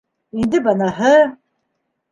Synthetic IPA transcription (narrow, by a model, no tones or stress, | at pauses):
ind̪ɘbɑnɑɦɤ